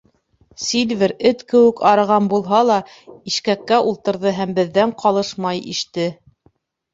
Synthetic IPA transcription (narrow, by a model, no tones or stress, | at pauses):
sʲilvʲɘɾɘt̪kɘ̆wɘ̆kɑɾɤ̆ʁɑnbulˠɦɑlˠɑ | iʃkækːæʔulˠt̪ɤ̆ɾðɤɦæmbɘ̆ðːæɴqʰɑlˠɤʃmɑjḭʃt̪ɘ